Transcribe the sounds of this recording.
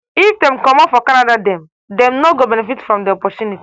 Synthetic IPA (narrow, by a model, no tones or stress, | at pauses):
ifdɛ̃mkɔmɔpfɔkanadadɛ̃m | dɛ̃mnoɡobɛnɛfitfɾɔ̃mdɛɔpɔtjuniti